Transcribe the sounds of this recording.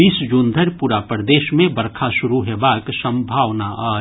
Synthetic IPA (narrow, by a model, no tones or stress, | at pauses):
iːsd͡ʒuːnd̪ʱəɾpuːɾapəɾd̪eːʃmẽbɐɾkʰaʃʊɾuɦebaːksə̃mbʱaːʋnaʔaː